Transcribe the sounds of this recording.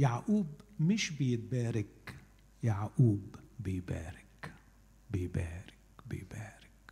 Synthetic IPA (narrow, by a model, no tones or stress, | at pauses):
jaʕʔuːbmɪʃbɪjɪt̪̚baːɾɪk | jaʕʔuːbːɪjbæ̰ːɾɪk | bɪjbæːɾɪkbɪ̰jbæːɾɪ̥k